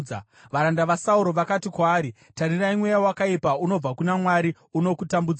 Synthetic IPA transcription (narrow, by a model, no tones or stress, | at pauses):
a | ʋaɾandaʋasauɾo̞ʋakatikwaːɾi | tariraimwe̞jawakaipauno̞b͡vakunamwaɾi | uno̞kutambud͡z